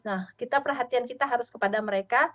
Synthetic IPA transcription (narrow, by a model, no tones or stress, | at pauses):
nahkit̪apərɦat̪iankit̪aɦaɾʊskəpadaməɾeka